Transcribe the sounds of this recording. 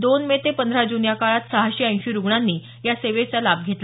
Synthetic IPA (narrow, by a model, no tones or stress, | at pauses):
d̪onmet̪epənd̪ʱɾad͡ʑunjakaɭat̪səɦaɕiə̃j̃ɕiɾuɡɳanːiː | jaseʋet͡salab̚ɡʱet̪l